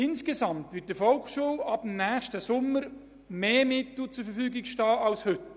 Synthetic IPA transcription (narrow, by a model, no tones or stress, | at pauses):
ɪnskesɑmtʋɪt̚dəfɔlkʃuːwɑb̥əmnæːχʃtəsʊmːəɾ | meːmɪtl̩t͡sʊɾfəɾfyːɡɪkʃtɑːʔɑlshʏt